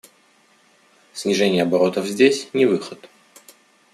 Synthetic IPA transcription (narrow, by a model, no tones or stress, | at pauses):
sʲnʲɪʐɛnʲɪjəɐbɐɾo̞t̪əvzʲdʲesʲnʲɪvɨxət̪